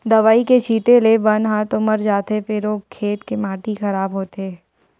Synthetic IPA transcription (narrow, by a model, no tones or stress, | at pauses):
d̪ɐʋaːiket͡ʃʰiːt̪elebɐnɦãt̪omɐɾd͡ʒaːt̪epeɾoːkʰːeːt̪kemãːʈixɐɾaːbɦoːt̪e